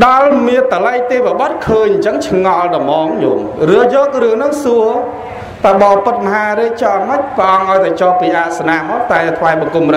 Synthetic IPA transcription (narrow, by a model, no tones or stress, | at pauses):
ɗɑlmiənt̪ːaləjt̪eːʋaɓɑt̪̚kʰəːɲt͡ɕəŋt͡ɕʰŋɑlɗɑmɔːŋjo̰ːŋrɨəjɔːk̚rɨəŋnɨŋsuə | t̪aɓɑːpɨt̪̚mɔɦaːɾik̚t͡ɕɑːməc̚prə̆ʔɑŋʔaɔjt̪aɛt͡ɕɑːhpiːʔaːʔsanaːɦɔht̪aɛt̪ʰʋaɛɓɑkumrɨ